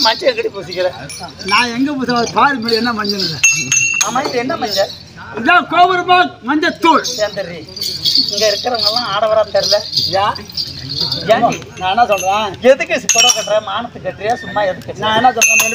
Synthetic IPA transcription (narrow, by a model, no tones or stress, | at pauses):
mɐɲt͡ʃːɐkːɐʈːipuːsɪkːɪɾenãːɛŋɡɐpuːsat̪aːlmɐɽiɛnːɐmɐɲd͡ʒɐnɯlɐaːmːaːɪðɯɛnːɐmɐɲd͡ʒɐ | laːkoːʋɐɾɯmaːmɐɲd͡ʒɐt̪uːɭseːnd̪ɐɾiɪŋɡɐɪɾɯkːɐɾɐŋɡɐlːãːaːɽɐʋɐɾaːt̪ɐɾɪlɐjaː | jɛː | nãːɛnːãːsɔlːɐɾãːɛðɯkːɯsɪpːɔɾõːkɐʈːɾɐmaːnɐt̪ːɯkːɐʈːɾɪjaːsʊmːaːɛðɯkːɯnãːɛnːãːsɔlãme